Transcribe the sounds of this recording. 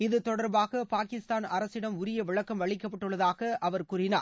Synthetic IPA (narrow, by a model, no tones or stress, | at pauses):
ɪðɯt̪ɔɽɐɾbaːɣɐpaːkɪst̪aːnɐɾɐsɪɽɐmʊɾɪjɐʋɪɭɐkːɐmʋɐɭɪkːɐpːɐʈːɯɭːɐðaːɣɐʔɐʋɐɾkuːrɪnaːɾ